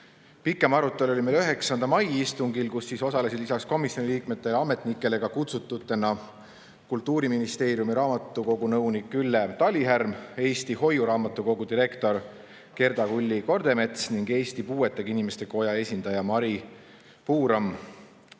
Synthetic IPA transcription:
pikːˑe̞mɑɾut̪ːˑelo̞lʲimeløɦe̞ksɑnd̪̥ɑmɑjist̪uŋɡilkusːiso̞sɑlesid̪lisɑksko̞misjoniliːkme̞t̪ːe̞lɑme̞t̪ˑnikːˑe̞le̞ɡ̥ɑkut̪sut̪ˑːut̪ːˑe̞nɑ | kult̪ːˑuːɾiminist̪e̞ːɾjumiɾɑːmɑt̪ːˑuko̞ɡunɤwnikːylːe̞t̪ɑlʲiɦærme̞ːst̪iho̞juɾɑːmɑt̪ːˑuko̞ɡ̥ud̪iɾe̞kt̪o̞r | ke̞rd̪̥ɑkulʲːiko̞rd̪̥e̞me̞t̪sniŋɡe̞ːst̪ipuːe̞t̪ːˑeɡ̥inime̞st̪e̞ko̞jɑe̞sʲind̪̥ɑjɑmɑɾi | puːɾɑm

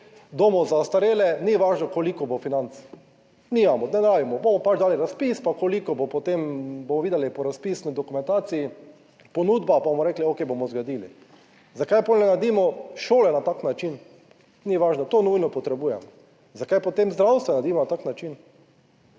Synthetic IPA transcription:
d̪omɔzaost̪aɾeːlɛniʋaːʒnɔkolikɔbofinant̪s | niːmamɔnɛnɾaːʋimɔbomɔpat͡ʃd̪aːliɾaspiːspakolikɔbopot̪embomɔʋiːd̪ɛlipɔɾaspiːsnid̪ɔkumɛ̃nt̪aːt̪sii | pɔnud̪bapabomɔɾɛːkliokejbomɔzɡad̪iːlḭ | zakajpolnɛnad̪iːmɔʃoːlɛnat̪aːknat͡ʃin | niʋaːʒnɔt̪oːnujnɔpɔt̪ɾɛbuːjɛmɔ | zakajpot̪emzd̪ɾawst̪ʋɛnad̪iːmɔnat̪aknat͡ʃin

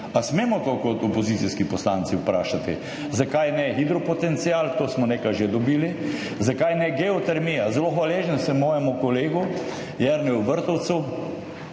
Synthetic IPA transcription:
asmeːmɔkokɔt̪ɔpɔzit̪siskipɔslaːnt̪siʊpɾaːʃat̪ḭ | zakajnɛxid̪ɾɔpɔt̪ɛnt̪siaːlt̪oːsmɔneːkajʒed̪ɔbiːli | zakajnɛɡɛɔt̪ɛɾmijazɛloxʋaleːʒənsɛmɔːjɛmukɔleːɡu | jɛɾnɛuʋəɾt̪ɔwt̪su

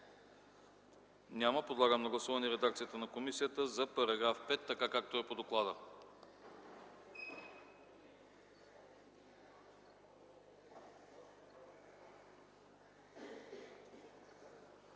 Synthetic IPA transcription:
nʲaməpod̪lˠaɡəmnɐɡlˠɐsuvɐniɾɛd̪ak̚t̪sijət̪ənɐkomisijət̪əzɐpɐɾɐɡɾafpɛt̪ːɐkakak̚t̪oɛpod̪oklˠad̪ə

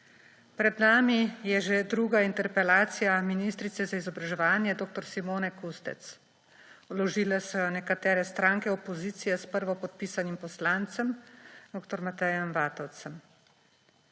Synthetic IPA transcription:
pɾɛd̪naːmijɛʒed̪ɾuːɡaint̪ɛɾpɛlaːt̪sijaminist̪ɾit̪sɛzaizɔbɾaʒɛʋaːnjɛd̪oːk̚t̪ɔɾsimoːnɛkust̪ɛ̰t̪s | ɔlɔʒiːlɛsɔjɔnɛkat̪ɛːɾɛst̪ɾaːŋkɛɔpɔziːt̪sijɛspəɾʋɔpɔt̪̚piːsanimpɔslaːnt̪səmd̪oːkt̪ɔɾmat̪ɛjɛmʋaːt̪ɔwt̪sɛm

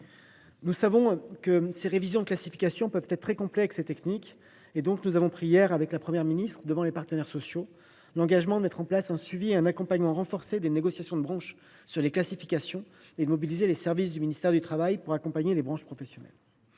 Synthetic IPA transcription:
nusavɔ̃kəseʁevizjɔ̃d̪əklasifi̥kʲasjɔ̃pœvt̪ɛt̪t̪ːχɛkɔ̃plɛkset̪ɛknik | ed̪ɔ̃knuzavɔ̃pχijɛʁavɛklapχəmjɛʁminist̪χəd̪əvɑ̃lepaʁt̪ənɛʁsɔsjo | lɑ̃ɡaʒmɑ̃d̪əmɛt̪χɑ̃plasɛ̃sɥivieɛ̃nakɔ̃paɲmɑ̃ʁɑ̃fɔʁsed̪eneɡɔsjasjɔ̃d̪əbʁɑ̃ʃ | syʁleklasifi̥kʲasjɔ̃ed̪əmɔbilizelesɛʁvis̬d̪yminist̪ɛʁd̪yt̪χavajpuʁakɔ̃paɲelebʁɑ̃ʃpχɔfesjɔnɛ̰l

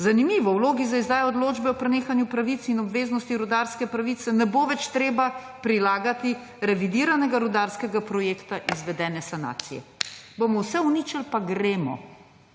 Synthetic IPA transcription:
zanimiːʋɔwloːɡizaizd̪aːjɛɔd̪loːd͡ʒbɛɔpɾɛneːxanjupɾaʋit̪sinɔbʋeːznɔst̪iɾud̪aɾskɛpɾaʋit̪sɛnɛboːʋɛt͡ʃt̪ɾeːba | pɾilaːɡat̪i | ɾɛʋid̪iːɾanɛɡaɾud̪aɾskɛɡapɾɔjeːkt̪aʔizʋɛd̪ɛːnɛsana̰ːt̪sijɛ̰bomɔwsɛunit͡ʃəlpaɡɾeːmɔ̰

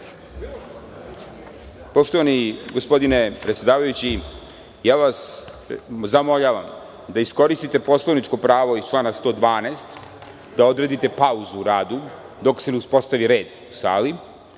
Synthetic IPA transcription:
po̞ʃt̪o̞ʋaniɡo̞spo̞d̪inepɾet̪sje̞d̪aːʋajut͡ɕi | jaːʋas | zamo̞ʎaʋa̰m | d̪aisko̞ɾist̪it̪e̞po̞slˠoʋnit͡ʃko̞pɾaːʋo̞ist͡ʃlaːnast̪o̞ːd̪ʋaːneːst̪ | d̪ao̞d̪ɾe̞d̪it̪e̞pauzuːɾaːd̪u | d̪o̞kse̞neuspo̞st̪aʋiɾeːd̪usa̰ːli

